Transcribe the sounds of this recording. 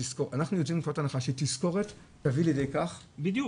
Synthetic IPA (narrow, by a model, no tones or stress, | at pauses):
iskoʔanaχnujot͡simfotanaχaʃetisko̞ʁet | taviljedejkaχbid̪